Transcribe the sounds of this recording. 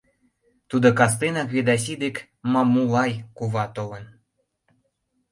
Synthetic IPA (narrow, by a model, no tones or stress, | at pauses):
t̪ud̪okɑs̬t̪enɑkβed̪ɑs̬id̪ek | mɑmulɑjkuβɑt̪olen